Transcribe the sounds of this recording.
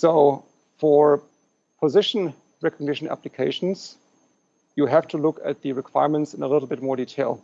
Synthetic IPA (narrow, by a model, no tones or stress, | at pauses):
soʊ | fə˞ | pʰəzɪʃn̩ | ɹɛkəɡ̚nɪʃnæ̰plɨkʰeɪʃn̩z̥ | jɨɦæftʰulʊkɨ̰t̪̚ðɨɹɨkʰw̥aɪəɹmə̃ntsɨ̃nəlɪɾl̩ˠbɪt̚mɔɹɾitʰeɪlˠ